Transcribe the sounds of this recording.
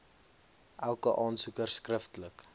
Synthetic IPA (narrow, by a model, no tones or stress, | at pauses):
ʔælˠkəʔɑːnsukərskrəftlək